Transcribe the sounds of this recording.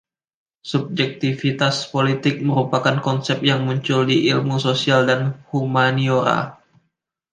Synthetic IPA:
sub̚d͡ʒɛk̚t̪ifit̪aspolit̪ɪk̚məɾupakankɔnsɛp̚jaŋmuɲt͡ʃʊldiʔilmusosialdanhumanioɾa̰

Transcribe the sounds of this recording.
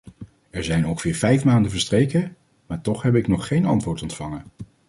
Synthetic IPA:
ɛɹzɛjnɔŋχəvɪːɹvɛjfmaːndəvəɹstrejkə | maːɹtɔχɦɛp̬ɪknɔχːejnɑntʋʊːɹtɔntfɑŋə

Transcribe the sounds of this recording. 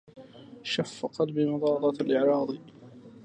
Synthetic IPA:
ʃafːqɑlbimʊd̪ˤɑːɾˤɑt̪alʔɪʕɾˤɑːd̪ˤ

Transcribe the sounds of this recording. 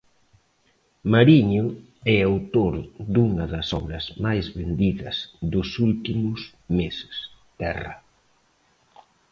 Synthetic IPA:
maɾiɲʊ | ɛawt̪oɾd̪uŋɐðɐsɔ̰βɾɐzmajzβend̪iðɐsðʊsult̪imʊs | mesɪ̥st̪ɛrɐ̰

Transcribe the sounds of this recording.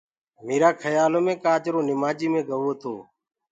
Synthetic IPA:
meːɾaːkʰəjaːloːmẽːkaːt͡ʃɾoːnɪmaːd͡ʒiːmẽːɡəʋoːt̪ʰoː

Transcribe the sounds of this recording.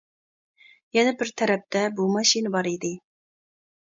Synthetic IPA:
jɛnɛbɪɾt̪ʰɛɾɛp̚t̪ɛbumɑʃinbɑɾid̪ɪ

